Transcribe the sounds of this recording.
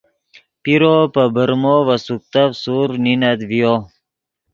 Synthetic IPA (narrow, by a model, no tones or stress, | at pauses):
piɾopəbəɾmovɐsuk̚t̪afsuɾninad̪vijo